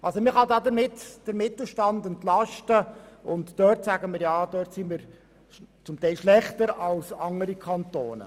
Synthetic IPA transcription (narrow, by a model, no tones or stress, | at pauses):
ʔɑlsomɪχɑd̪ɑːdəɾmɪtd̥əɾmɪtl̩ʃtɑndəntlɑʃtəʊntd̥øːrtsæɡ̥əmɪːɾjɑːd̥̪øːrtsimiɾ | t͡sʊmtɛɪlʃlɛχtəɾɑlsɑŋəɾikʰɑnt̪oːnə̰